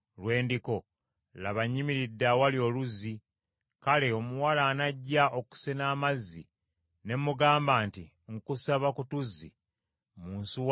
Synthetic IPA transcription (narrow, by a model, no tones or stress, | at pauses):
lwe̞ːndiko̞ | laβaɲːimiɾidːawalio̞ːluzi | kale̞omuwalaːnaɟːaʔo̞ku̥senaːmazːi | ne̞mːuɡaːmbaːnti | ŋkusaβakutuzːḭ | muːnsuw